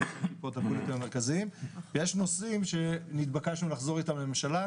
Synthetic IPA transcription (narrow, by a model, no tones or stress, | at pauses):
pot̪apolet̪imame̞ʁkaziimvejeʃno̞simʃe̞nit̪bakaʃnulaχzo̞ʁitamemʃala